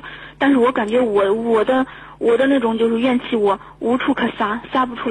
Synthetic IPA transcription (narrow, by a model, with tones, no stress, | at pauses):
t̪a˥˧nʂ̬ɻ̩˥˩wɔ˧˥ka˨˩nt͡ɕɥɛ˧˥wɔ˨˩wɔ˨˩d̪ə˦ | wʔɔ˨˩d̪ə˦na˥˩ʈ͡ʂʊ˨˩ŋt͡ɕjo˥˧ʊʂ̬ɻ̩˥˧ɥɛ˥˧nt͡ɕʰi˥˩wɔ˨˩ | u˧˥ʈ͡ʂʰu˥˩kʰɤ˨˩sa˥sa˥pu˧˩ʈ͡ʂʰu˥